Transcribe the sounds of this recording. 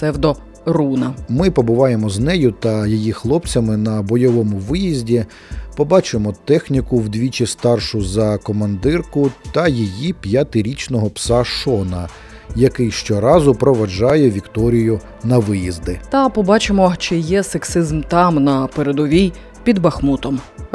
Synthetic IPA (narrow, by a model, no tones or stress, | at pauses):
sɛwd̪ɔ | runɐmɪpɔbʊʋɑjemɔznɛjʊt̪ɐjijixlˠɔp̚t͡sʲɐmɪnɐbɔjɔʋɔmʊʋɪjizʲdʲi | pɔbɑt͡ʃemɔt̪ɛxnʲikʊwd̪ʲʋʲit͡ʃʲist̪ɑrʃʊzɐkɔmɐnd̪ɪrkʊt̪ɐjijipʲjɐt̪ɪɾʲit͡ʃnɔɦɔpsɑʃɔnɐ | jɐkɪjʃt͡ʃɔɾɑzʊpɾɔʋɐʒɑjɛʋʲikt̪ɔɾʲijʊ | nɐʋɪjizd̪ɪt̪ɐpɔbɑt͡ʃemɔt͡ʃɪjɛseksɪzmt̪ɑmnɐpeɾed̪ɔʋʲij | pʲid̪bɐxmut̪ɔm